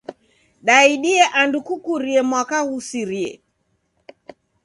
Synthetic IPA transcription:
ɗaiɗiɛʔandukukuɾiɛmwakahusiɾiɛ̰

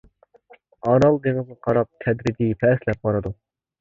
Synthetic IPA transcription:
ɑɾɑlˠd̪eŋɪznɨqʰɑɾɑp̚t̪ʰɛd̪ɾɪɡ̪ʲipʰɛslɛp̚b̥ɑɾɨd̪u

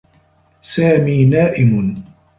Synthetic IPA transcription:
saːmiːnaːʔɪm

